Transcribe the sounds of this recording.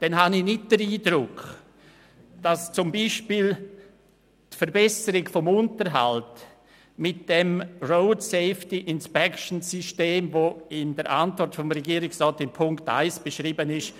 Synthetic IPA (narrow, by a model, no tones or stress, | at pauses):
d̥ɛnɦanɪnɪt̚d̥əɾiːdɾʊk | d̥ast͡sʊmbiːʃpiːl | tfəɾbɛsəɾɪɡfɔmʊntəɾɦa̰lt | mɪt̚d̥ɛmroʊtseɪftiʔɪnspɛkʃn̩sisteːmvoːɪndəɾʔa̰ntvɔɾtfɔmɾɛɡiːɾɪksrɔːtɪmpʰʊŋkta̰ɪsb̥əʃɾiːbənɪʃ